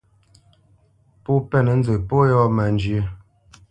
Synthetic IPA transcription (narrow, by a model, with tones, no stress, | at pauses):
po˦pɛ˦˨nə˨n̩˦zə˨po˦jɔ˦˨ma˨n˦d͡ʒɥə˨˦